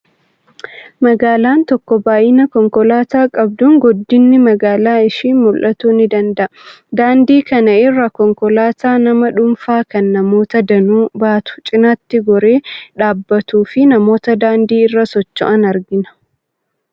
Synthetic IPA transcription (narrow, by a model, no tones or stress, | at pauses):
mɐɡaːlaːnt̪ɔkːɔbaːʔɪnɐkɔŋkɔlaːt̪aːkʼɐbd̪uːŋɡɔd̪ːɪnːɪmɐɡaːlaːɪʃiːnmʊlʔɐt̪uːnɪd̪ɐnd̪ɐʔɐ | d̪aːnd̪iːkɐnɐɪrːɐkɔŋkɔlaːt̪aːnɐmɐᶑʊmfaːkɐnːɐmo̞ːt̪ɐd̪ɐnuːbaːt̪ʊ̥t͡ʃʼɪnat̪ːɪɡɔɾe̞ːᶑaːbːɐt̪uːfɪnɐmo̞ːt̪ɐd̪aːnd̪iːɪrːɐsɔt͡ʃːɔ̰ʔɐnɐɾɡɪnɐ̥